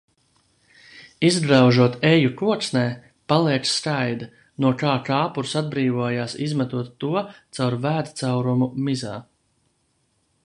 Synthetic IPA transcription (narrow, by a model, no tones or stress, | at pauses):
izbɾawʒuɔt̪ejukuɔksnɛː | palˠiɛksskajd̪a | nuɔkaːkaːpuɾsad̪̚bɾiːvuɔjaːsizmat̪uɔt̪ːuɔt̪sawɾvæːt̪t̪sawɾumumizaː